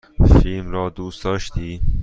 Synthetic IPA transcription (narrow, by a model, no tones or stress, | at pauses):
filmɾɒːd̪uːsd̪ɒːʃt̪iː